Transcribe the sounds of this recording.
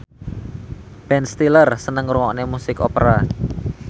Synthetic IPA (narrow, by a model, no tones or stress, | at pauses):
b̥ɛnst̪ilərsənəŋruwɔʔnemusɪkopəɾʔa